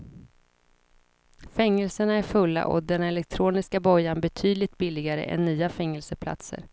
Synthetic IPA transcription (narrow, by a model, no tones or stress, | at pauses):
fɛŋːɛlsəɳaæɾfɵlːa̰ʔɔ̰d̪ɛnaɛlɛk̚t̪ʰɾoːnɪskabɔjːanbɛt̪ʰyːd̪lɪt̪̚bɪlːɪɡaɾə̰ʔɛ̰nːyːafɛŋːɛlsəpʰla̰t̪sə̰ɾ